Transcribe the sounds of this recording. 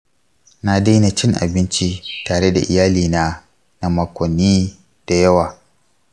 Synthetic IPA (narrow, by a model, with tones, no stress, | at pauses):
na˦da˦jna˨t͡ʃɪ˦ŋʔa̰˨bɪ˦nt͡ʃi˦taː˨ɽe˦da̰˨ʔɪ̰˨jaː˦liː˨naː˦ | na˨mɐ˨kʷɔ˨nːiː˦ | d̥a˨jɐ˦waː˨